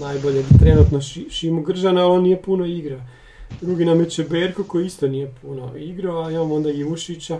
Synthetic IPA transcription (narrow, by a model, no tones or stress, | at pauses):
naːjboʎet̪ɾenuːt̪noʃimoɡr̩ʒanaalo̞nije̞puno̞iɡɾa | d̪ɾuɡinamjet͡ʃebeːɾkokojeist̪oniːjepʰuno̰iɡɾaoaimaːmoo̞nd̪aɡiʋuʃit͡ɕa